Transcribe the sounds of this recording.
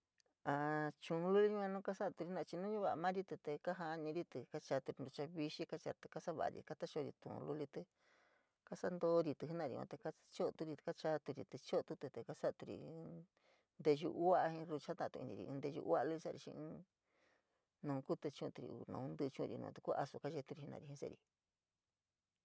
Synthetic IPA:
a˧t͡ʃũ˧lu˦li˧˦i˧ã˧nũː˦ka˦sa˦˧t̪u˧i˧˦nã˧t͡ʃi˧nũ˦ɲũ˦βa˧˨˧mã˦ɾi˦t̪ɨ˧t̪e˧ka˦ɦa˧ɲĩ˧ɾi˦t̪ɨ˧ka˦t͡ʃa˧t̪u˧ɾi˧nɾu˧t͡ʃa˧βi˧ʃi˦ka˦t͡ʃa̰˧t̪e̥˧ka˦sa˦βa̰˧˨a̰˧ɾḭ˧ka˦t̪a˦ʃo˧ɾḭ˧t̪ṵ̃˧˨˧lu˧li˧t̪e˧ | ka˦sa˦nd̪o˦ɾi˧t̪ɨ˧ɦnã˧˨ḭ˧ã̰˧t̪e˧ka˦ | t͡ʃo˦˧t̪u˧ɾi˧ka˦t͡ʃa˧t̪u˧ɾḭ˧t̪ɨ˧t͡ʃo˦˧t̪u˧t̪e˧t̪e˧ka˦sa˦ʔt̪u˧ɾḭ˧ | nd̪e˧ʒṵ˧ʔu˦a˦ʔhĩ˧ɾu˧t͡ʃa˦t̪ã˦˧t̪u˧i˧nĩ˧ḭ˧ʔnd̪e˧ʒṵ˧ʔa˦˧lu˧˦i˧sa˦˧ɾi˧ʃḭ̃˧ɨ̃˧˦ | nũː˨˧ku˦t̪ɨ˧t͡ʃũ˦˧t̪u˧ɾḭ˧˨ṵ˧nṵ̃˧nd̪ɨ˧t͡ʃũ˦˧ɾḭ˧nṵ̃˧t̪u̥˧ku˦ʔa̰˧su˧ka˦ʒe˧t̪u˦ɾi˧i˧nʔã̰˧i˧hĩ˧sḛ˧˨ɾḭ˧

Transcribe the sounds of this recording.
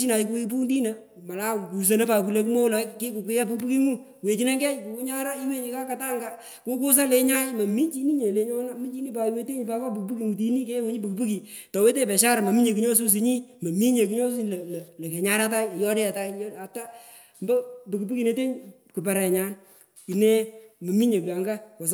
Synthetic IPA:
i˦na˨˦k̬u˦i˦pu˦ndi˦na˦ | ma˨la˦˨ku˨s̬e˨na˦pa˨ku˨le˨ku˦mo˦lɔ˨˦ke˦ku˨kʷe˦ja˦pu˨kpu˦ki˦ŋu˦ | we˨t͡ʃi˦ne˦ɡɛ˦jku˨ku˦ɲa˦ɾa˦i˦we˦ɲi˨˦ka˦ka˨ta˦ŋɡa˦ | ko˦ku˦s̬a˦le˨ɲa˦jmɐ˨mi˦t͡ʃi˦ni˦ɲe˨le˨ɲɔ˦na˦mi˦t͡ʃi˦ni˦pa˨˦we˦te˦ɲ˨pa˦kɔ˦p̬u˨kpu˦ki˨ŋu˨t̬i˨˦ni˦ke˦wo˨˦ɲi˦pu˨kpu˦ki˨ | tɔ˨we˦t̬e˦pɛ˨ʃa˦ɾa˨mɐ˨mi˦ɲe˨ki˦ɲo˦s̬u˦s̬i˨ɲi˦mɐ˨mi˦ɲe˨ki˦ɲɔ˦su˦˨llle˨ke˨ɲa˦ɾa˦t̬a˦jjɔ˦de˦a˨ta˦jja˨ta˦ | mbɔ˦pu˨ku˨pu˦ki˨ne˦te˦ɲ | ku˨pɛ˨ɾɛ˨ɲa˦n | ki˨ne˦mɐ˨mi˦ɲe˨ka˨ŋɡa˦ko˨s̬

